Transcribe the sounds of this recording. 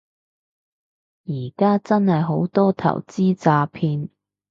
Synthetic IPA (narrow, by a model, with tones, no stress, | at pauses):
jiː˨˩kaː˥t͡sɐ˥nhɐ˨jɦo˨˥wt̪ɔː˥t̪ʰɐ̰˨˩wt͡siː˥t͡saː˧pʰiː˧n